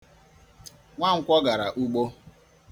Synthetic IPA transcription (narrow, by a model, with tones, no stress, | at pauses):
ŋʷa˦ŋ̩˦kʷɔ˦ɡa˨ɾa˨ʔu˦ɡ͡bo˦